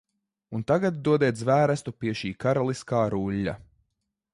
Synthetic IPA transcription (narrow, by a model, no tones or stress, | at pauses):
unt̪aɡat̪̚d̪uɔd̪ɛt̪zvæːɾæst̪upiɛʃiːkaɾalˠiskaːɾuʎʲːa̰